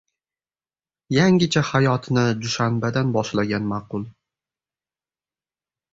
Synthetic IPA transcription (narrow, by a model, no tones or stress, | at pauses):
jaŋʲɪt͡ʃʰahajɒt̪ʰnɪd̪ʊʃanbad̪anbɒʃlaɡʲanmaqʰʊlˠ